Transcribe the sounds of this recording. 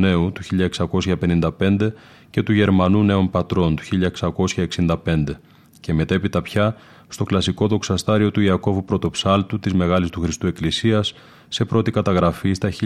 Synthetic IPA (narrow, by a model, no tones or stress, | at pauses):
ne̞ut̪uçiʎɐe̞ksɐko̞sçɐpe̞nind̪ɐpe̞nd̪e̞ | ce̞t̪uʝe̞ɾmɐnune̞ompɐt̪ɾo̞nt̪u̥çiʎɐeksɐko̞sçɐeksind̪ɐpe̞nd̪e̞ | ce̞me̞t̪e̞pit̪ɐpçɐ | st̪o̞klɐsiko̞ðo̞ksɐst̪ɐɾio̞t̪uiɐko̞vupɾo̞t̪o̞psɐlt̪ut̪izme̞ɣɐlist̪uxɾist̪ue̞klisiɐsː | e̞pɾo̞t̪ikɐt̪ɐɣɾɐfist̪ɐi